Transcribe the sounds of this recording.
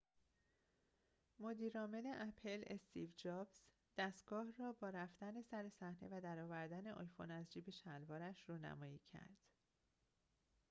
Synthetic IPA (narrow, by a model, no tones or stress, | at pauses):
mod̪iːɾɒːme̞leʔæpʰe̞le̞st̪ivd͡ʒɒːbz | d̪̥æst̪̚ɡ̥ɒːhrɒːbɒːɾæfd̪æne̞sæɾe̞sæhne̞̰væd̪æɾɒːvæɾd̪æne̞ʔɒːjfo̞̰næzd͡ʒiːbe̞ʃælvɒːɾæʃruːnæ̰mɒːjiːcʰæ̰ɾd̪̥